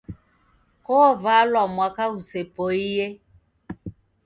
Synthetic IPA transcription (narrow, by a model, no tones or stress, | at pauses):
kovalɔmwakausepoije